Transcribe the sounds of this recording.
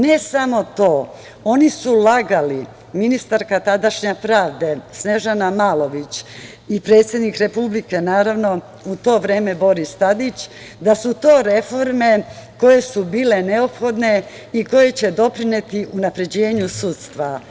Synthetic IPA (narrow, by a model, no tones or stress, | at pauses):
ne̞samo̞t̪o̞ː | o̞nisulaɡali | minist̪aɾkat̪ad̪aʃɲepɾaːʋd̪e̞sne̞ʒanamaːlo̞ʋit͡ɕ | ipɾe̞ːt̪sje̞d̪nikɾe̞publike̞naːɾaʋno̞ | ut̪o̞ːʋɾeːme̞bo̞ɾist̪ad̪it͡ɕ | d̪asut̪o̞ːɾe̞fo̞ɾme̞ko̞je̞subiːle̞ne̞o̞pxo̞d̪ne̞ | iko̞je̞t͡ɕe̞d̪o̞pɾine̞t̪iʔunapɾe̞d͡ʑe̞ːɲusut̪st̪ʋa